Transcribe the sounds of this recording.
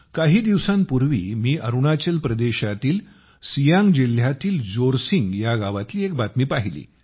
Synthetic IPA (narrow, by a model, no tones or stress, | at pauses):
kaɦiːd̪iʋsãnpuɾʋḭːmiːʔəɾuɳat͡ɕəlpɾəd̪eɕat̪iːl | sijaŋɡd͡ʑil̤jat̪iːld͡zoɾsiŋɡjaɡaʋat̪liːek̚bat̪miːpaɦilḭː